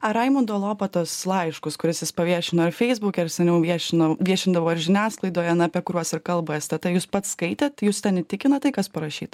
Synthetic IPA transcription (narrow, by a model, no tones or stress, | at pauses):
ɐɾɐɪmʊnd̪oːlˠoːpɐt̪oːslˠɐɪʃkʊskʊɾʲɪsjɪspɐʋʲiɛʃʲɪnoːɪɾfʲɛɪzbuːkʲɛɪɾsʲɛnʲɛʊʋʲiɛʃʲɪnɐʋʲiɛʃʲɪnd̪ɐʋoːɪɾʒʲɪnʲæːsklˠɐɪd̪oːjɐnɐːpʲiɛkʊɾʲuɔsɪrkɐlˠbɐst̪ɛt̪ɐɪjuːspɐt̪skɐɪt̪ʲeːt̪juːst̪ʲɛnɪt̪ʲɪkʲɪnɐt̪ɐɪkɐspɐɾɐʃʲiːt̪